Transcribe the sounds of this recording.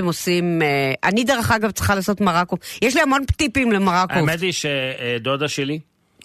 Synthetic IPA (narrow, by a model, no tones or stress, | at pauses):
emo̞simeʔa̰nid̪eʁeχaɡavtt͡sʁi̥χalaːso̞t̪maʁakojeʃlihamo̞npt̪ipimlemaʁakomet̪iʃed̪od̪aʃeli